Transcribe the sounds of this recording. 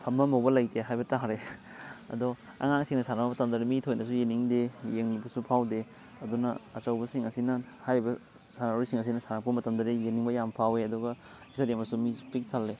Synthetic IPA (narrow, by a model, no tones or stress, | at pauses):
hʰɐmːɐmɐwbɐlɐjtʰeɦajbɐtaɦɾe | ɐ̰dɔ | ɐ̰ŋaŋsiŋnɐsanapɐmɐtɐmdɐɾimitʰojnɐsujeniŋdejeŋlibɐsupʰawde | ɐdunɐːsɐwbɐsiŋɐsinɐ | hajɾibɐ | sanaɾisiŋɐs̬inɐsanapɐmɐtɐmdɐɾijeniŋbɐjampʰaweɐdɔɡɐ | isɐɾemɐsumipik̚tʰalːe